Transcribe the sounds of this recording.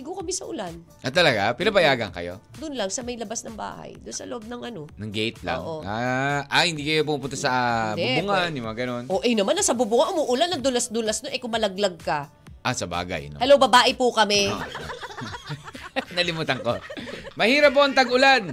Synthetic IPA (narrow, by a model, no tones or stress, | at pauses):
ɪɡokɐmɛsɐʔʊ̰lan | ʔɐt̪ːɐlɐɡa̰pɪnɐbɐjaːɡɐŋkɐ̰jo̞̰d̪ʊnlɐŋsɐmɐjlɐbasnɐŋba̰ːhɐ̰jd̪ʊnsɐ̰loʔob̚nɐŋʔɐno̞nɐŋɡɛjt̪̚la̰ŋʔoʔaʔahɪnd̪iːkɐjop̬umupʊnt̪asɐɛbʊŋanjʊmɐŋɐɡɐno̞nʔoʔɛnɐmanːɐsɐbʊbʊŋɐʔʊmuʔʊlanɐŋd̪ʊlɐsd̪ʊlɐsnoʔɛkʊŋmɐlɐɡ̚lɐɡ̚kɐ | ʔɐsɐba̰ːɡa̰jnohɐlowbɐbaːʔɪpʊkɐmɛ | nɐlɪmuːt̪ɐŋkomɐhiːɾɐpːoʔɐŋt̪ɐɡʊlan